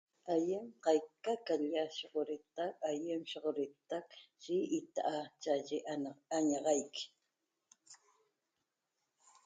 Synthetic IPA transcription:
ajɪmqɑjkakaʎaʃoqoɾɪt̪ɑkajɪmʃoχɾɪt̪ɑkʒ̥ɪɪt̪aʔat͡ʃaʒɪʔaɲɑɢɑjkɪ̥

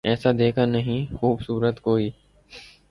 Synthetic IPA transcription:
ɛːsad̪eːkʰanəɦĩxuːbsuːɾət̪koːiː

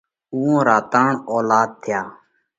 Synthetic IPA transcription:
uːõːɾaːt̪aːɳoːlaːd̪̚t̪ʰɪjaː

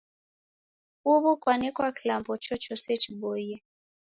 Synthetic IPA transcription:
uβukwanɛkwakilambɔt͡ʃɔt͡ʃɔsɛt͡ʃiɓɔjɛ

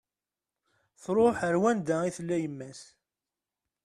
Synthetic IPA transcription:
θɾˤoħəɾwænd̪æiθlːæjəmːæs

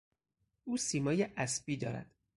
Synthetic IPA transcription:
ʔuːsiːmɒːjeʔæsbiːd̪ɒːɾæ̰d̪̥

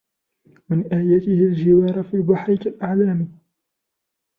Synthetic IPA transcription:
mɪnʔæːjæt̪ɪhɪld͡ʒɪwɑːɾˤafiːbaħɾɪkalʔaʕlæːmi

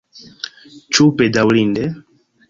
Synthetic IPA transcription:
t͡ʃupɛdawlindɛ

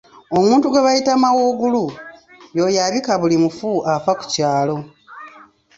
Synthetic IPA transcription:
omũːntuɡwe̞βajitamawoɡulu | jo̞jaβikaβulimufuʔafaku̥caːlo̞

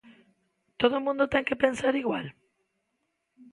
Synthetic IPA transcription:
t̪oðomũnd̪ot̪e̞ŋkepe̞nsaɾiɣwa̰l

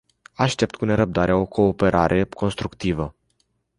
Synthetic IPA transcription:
aʃt̪e̞p̚t̪̚kune̞ɾəb̚d̪aɾeao̞kʰo̞ːpe̞ɾʔaɾʔe̞kʰo̞nst̪ɾukt̪ivə

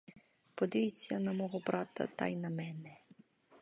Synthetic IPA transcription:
pɔd̪ɪjt͡sʲːɐnɐmɔɦɔbɾɑt̪ɐ̰t̪ɑ̰jnɐmɛnɛ

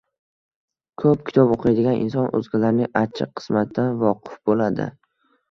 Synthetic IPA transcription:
kʰɵp̚kʲʰɪ̥t̪ʰɒboqʰɨjd̪ɪɡʲanʔɪ̰nsɒnʔɵ̰zɡʲalaɾnɪŋat͡ʃʰːɪqʰːɨ̥smat̪d̪anvɒqʰɨfbolad̪ɪ̰

